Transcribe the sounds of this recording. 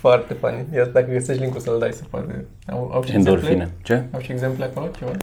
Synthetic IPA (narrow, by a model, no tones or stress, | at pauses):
foart̪epanijad̪akəɡəsiliŋkusəld̪ajsəpa̰t̪ḛ | a̰wa̰wʃiend̪oɾfleinat͡ʃeawʃieɡzempleakolot͡ʃeva